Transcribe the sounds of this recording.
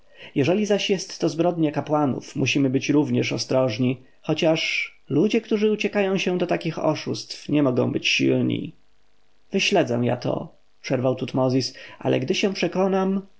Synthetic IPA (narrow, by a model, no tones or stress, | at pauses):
jɛʐɛlʲizaɕjɛst̪ːɔzbɾɔd̪ɲɛkapwanṵfmuɕimɘbɘt͡ɕɾuvɲɛʂɔst̪ɾɔʐɲi | xɔt͡ɕaʂ | lud͡ʑɛkt̪uʐɘut͡ɕɛkajɔ̃w̃ɕɛ̃d̪ɔt̪akʲixɔ̰ʂust̪fɲɛmɔɡɔ̰̃w̃bɘt͡ɕɕḭlɲḭ | vɘɕlɛd̪zɛ̰̃ja̰t̪ʰɔ̰ | pʂɛɾvawt̪ut̪mɔzʲisʔa̰lʔɛ̰ɡd̪ɘɕɛ̃pʂɛkɔnam